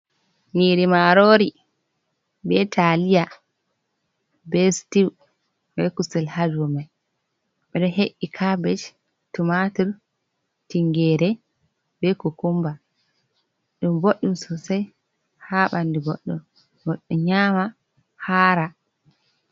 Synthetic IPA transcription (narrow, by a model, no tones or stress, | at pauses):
niɾimaɾoɾi | bɛtʰalija | bɛstiw | bɛkusɛlhad͡ʒumaj | ɓɛɗɔɦeʔːikʰabɛt͡ʃ | tumatuɾ | tiŋɡɛːɾɛ | bɛkɔkumba | ɗumboɗːumsɔsaj | haːɓandiboɗːṵm | ɡɔɗːuɲaːma | haːɾa